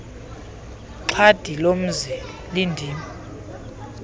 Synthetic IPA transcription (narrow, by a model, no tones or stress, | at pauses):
ǁʰad̥ʱilom̩zi | lindʱiːmi